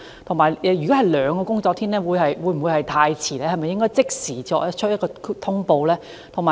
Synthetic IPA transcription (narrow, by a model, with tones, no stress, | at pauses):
t̪ʰʊ˨˩ŋmaː˨˩jɛː˧jy˨kɔ˨˦˥ɦɐ˨˩jlœː˨˧ŋkɔː˧kʊ˥ŋt͡sɔ˧k̚t̪ʰiː˥nlɛː˥wuː˨˧jɦɐ˨jwuː˨˧jm̩˨˩wu˨˧jhɐ˨jt̪ʰaː˧jt͡sʰiː˨˩lɛː˥hɐ˨jmɐ˨jɪ˥ŋkɔː˥jt͡sɪ˥k̚siː˨˩t͡sɔː˧k̚ɐ˥t͡ʃʰɵ˥jɐ˥tkɔː˧˥t̪ʰʊ˥ŋpo˧wlɛː˥ | t̪ʰʊ˨˩ŋmaː˨˩